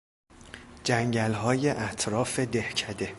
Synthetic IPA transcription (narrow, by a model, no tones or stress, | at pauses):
d͡ʒæŋɟælɦɒːje̞ʔæt̪ʰɾɒːfe̞d̪e̞hcʰæd̪e̞